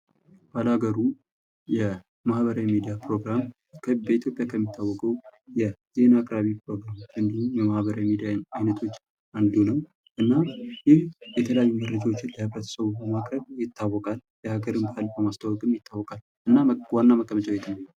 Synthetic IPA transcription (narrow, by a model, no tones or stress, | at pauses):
b̥alaɡəɾu | jɛ | mahβəɾawimid̪ijapɾo̞ɡɾam | kʰəbəit̪ʰjo̞pʼjakʰəmːit̪ʰːawːɔkʼəwjɛz̥e̞nakʼɾaβipɾo̞ɡɾamɨnd̪ihumjɛmahβəɾawimid̪ijaajnət̪ʰo̞t͡ʃː | ʔand̪unəw | ʔɨnːajɪhjɛt̪ʰələjajːuməɾəd͡ʒawot͡ʃːɪnləhɨβɾət̪ʰə̥səβubəmakʼɾəβjɪt̪ʰːawːɔkʼaljɛhaɡəɾɨmbahalbəmast̪ʰawɔkʼɨmjɪt̪ʰːawːɔkʼal | ʔɨnːawanːaməkʼːəmət͡ʃʼawjɛt̪ʰənəa